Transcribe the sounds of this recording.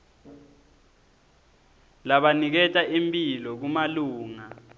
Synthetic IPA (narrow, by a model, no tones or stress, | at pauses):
laɓanik̬ɛtʼaʔimpʼilɔk̬umaluːŋa